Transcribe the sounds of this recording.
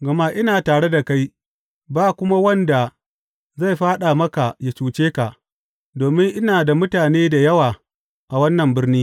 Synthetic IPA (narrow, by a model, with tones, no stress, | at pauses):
ɡɐ˨ma˦ʔɪ˦naː˨taː˨ɽe˦da˨ka˦j | baː˦kʷʊ˦ma˦wɐ˦nda˨ | za˦˨jɸaː˦ɗa˨mɐ˦ka˨ja˨t͡ʃuː˨t͡ʃeː˦ka˨ʔ | doː˨mɪ˦ŋʔɪ˦naː˨da˨mʊ˦taː˨neː˦da˨jɐ˦waː˨ | ʔa˨wɐ˦nːɐ˨mbɪ˦rniː˦